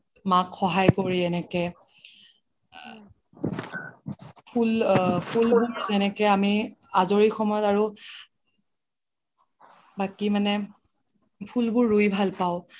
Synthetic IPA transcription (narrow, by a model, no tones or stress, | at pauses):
makxɔɦajkoɹiɛnɛkɛ | pʰulpʰulouzɛnɛkɛamiazoɹixɔmɔjɔtaɹu | bakimanɛ | pʰulbʊɹːujbʱalpaʊ